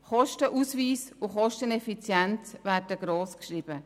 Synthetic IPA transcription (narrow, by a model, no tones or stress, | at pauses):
χɔʃtəʔuːsviːsʊχɔʃtənɛfit͡sjɛnt͡sʋæːɾdəɡ̥ɾoːskʃɾib̥ə